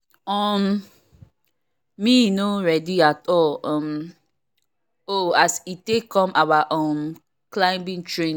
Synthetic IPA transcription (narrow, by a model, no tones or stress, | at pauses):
ɔm | inoɹɛdiatɔlɔ̃m | oasitekɔ̃mawaʔɔ̃m | klãɪ̃mbĩŋtɹẽ